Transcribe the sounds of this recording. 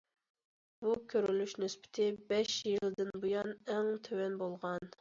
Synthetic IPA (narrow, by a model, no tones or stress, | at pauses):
bukʲʰøɾylyʃnyspɪ̥t̪ʰɪbɛʃjilˠd̪ɪnbujɑnɛŋt̪ʰøwɛnbolˠʁɑn